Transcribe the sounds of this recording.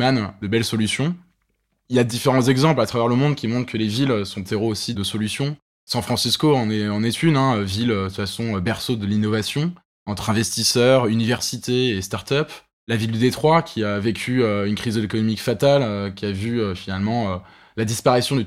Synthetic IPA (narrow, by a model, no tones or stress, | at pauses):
mand̪əbɛlsɔlysjɔ̃ | iljad̪ifeʁɑ̃zɛɡzɑ̃plat̪χavɛʁləmɔ̃d̪kʲimɔ̃t̪χkəleviløsɔ̃t̪ʰeʁoosid̪əsɔlysjɔ̃ | sɑ̃fχɑ̃siskoɑ̃nɛɑ̃nɛt̪ʰyd̪ɛ̃øviløfasɔ̃øbɛʁsod̪əlinɔvasjɔ̃ | ɑ̃t̪χɛ̃vɛst̪isœʁynivɛʁsit̪eːst̪aʁt̪œp | lavild̪yd̪et̪χwakʲʰiavekʲʰyøynkχizlekɔnɔmikfat̪aløkʲiavyøfinalmɑ̃ø | lad̪ispaʁisjɔ̃d̪